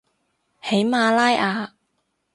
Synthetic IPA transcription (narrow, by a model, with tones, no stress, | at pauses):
he˨˥jmaː˧laː˥jʔaː˨˧